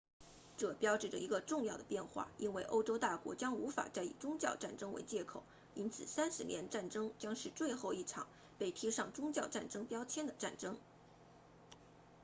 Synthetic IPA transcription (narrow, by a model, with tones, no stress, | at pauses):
ʈ͡ʂɤ˥˩pjɑ˥ʊʈ͡ʂɻ̩˥˩ʈ͡ʂə̰˩i˧˥ɡə˧ʈ͡ʂʊ˥˧ŋjɑ˥˩ʊd̪ə˩pjɛ˥˧nxwa̰˥˩i˥nwe˥˩ɪʔo̰˥ʊʈ͡ʂo˥ʊt̪a˥˩kwɔ̰˧˥t͡ɕjɑ˥ŋu˧˥fa̰˨˩t͡sa˥˩ɪḭ˨˩ʈ͡ʂʊ˥ŋt͡ɕjɑ˥˧ʊʈ͡ʂa˥˩nʈ͡ʂɤ˥ŋwḛ˧˥ɪt͡ɕjɛ˥˩kʰo˨˩ʊ | i˥nt͡sʰɹ̩˨˩sa˥nsɹ̩˥˩njɛ˧˥nʈ͡ʂa˥˩nʈ͡ʂɤ˥ŋt͡ɕjɑ˥ŋʂɻ̩˥˧t͡swe˥˧ɪxo˥˧ʊi˥˩ʈ͡ʂʰɑ̰˨˩ŋ | pe˥˩ɪt̪ʰi˥ʂɑ˥˩ŋʈ͡ʂʊ˥ŋt͡ɕjɑ˥˧ʊʈ͡ʂa˥˩nʈ͡ʂɤ˥ŋpjɑ˥ʊt͡ɕʰjɛ˥nd̪ə˨ʈ͡ʂa̰˥˩nʈ͡ʂɤ˥ŋ